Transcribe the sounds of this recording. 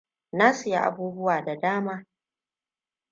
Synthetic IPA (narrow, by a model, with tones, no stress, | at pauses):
naː˦sɪ˨ja̰˦ʔa̰˨buː˦bʊ˦waː˨da˨daː˦maː˦